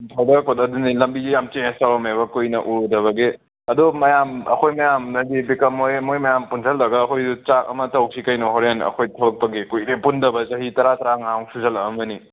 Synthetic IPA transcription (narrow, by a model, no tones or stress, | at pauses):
tʰawdakotɐdunilɐmbid͡ʒijamt͡ʃẽstabɐmeβɐkojnɐʔuɾudɐβɐɡe | ɐdumɐjamɐ̰kʰojmɐjamnɐdibikɐmojmːojmɐjampunsʰɐldɐɡaːkʰojdut͡ʃakɐ̰mɐtɐw̚sʰikɐjnɔɦɔɾenɐ̰kʰojtʰɐbɐk̚pɐɡekojɾepundɐbɐt͡ʃɐɦitɐɾatɐɾaŋawŋsuzɐlɐːmbɐni